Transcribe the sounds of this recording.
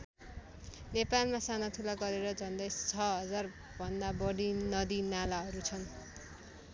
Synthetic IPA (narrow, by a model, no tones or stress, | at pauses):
nepalmasanʌt̪ʰulaɡʌɾeɾʌd͡zʱʌnd̪ʌjt͡sʰʌɦʌd͡zar | b̥ʱʌnd̪abʌɽinʌd̪inalaɦʌɾut͡sʰʌn